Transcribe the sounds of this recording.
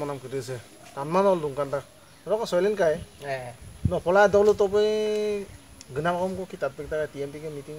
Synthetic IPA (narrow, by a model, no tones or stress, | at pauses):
ɔnamkɯɾɯsɛ | tanmanɔlduŋkantak̚ | ɾɔkɔsɔjlɛnkaj | nɔpʰɔladɔlutɔbɯj | ɡɯnamaɔmkɔkʰitat̚bɛk̚takatiɛmpikɛmitiŋ